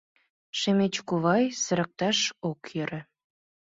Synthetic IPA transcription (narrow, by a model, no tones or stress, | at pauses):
ʃemet͡ɕkuβɑjsə̆ɾə̆k̚t̪ɑʃokjə̆ɾə̆